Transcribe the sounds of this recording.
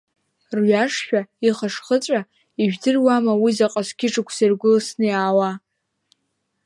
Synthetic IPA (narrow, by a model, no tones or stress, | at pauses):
rɥaʂʃᶣaiχaʂχət͡sʷʼa | iʒᶣdɨrwamawizaqʼaskʲɪʈ͡ʂʼɨkʷʰsarɡʷʊlasnɨjaːwa